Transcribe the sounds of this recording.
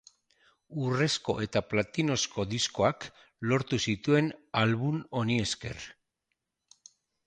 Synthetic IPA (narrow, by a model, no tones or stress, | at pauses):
ure̞sko̞̰ʔe̞t̪aplat̪ino̞sko̞ðisko̞ak | lo̞ɾt̪usit̪ue̞nalβuno̞nie̞ske̞̰r